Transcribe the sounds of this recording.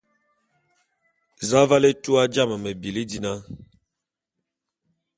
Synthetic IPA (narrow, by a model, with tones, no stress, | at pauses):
za˦va˦le˦tu˦a˦d͡ʒa˦˨mə˨mə˨bi˨li˦di˨na˦